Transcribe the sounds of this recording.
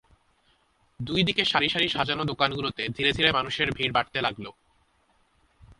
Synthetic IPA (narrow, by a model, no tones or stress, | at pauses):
d̪ujd̪ikeʃaɾiʃaɾiʃad͡ʑanod̪okanɡulot̪ed̪ʱiɾed̪ʱiɾemanuʃeɾbʱiɾbaʈ̚t̪elaɡlo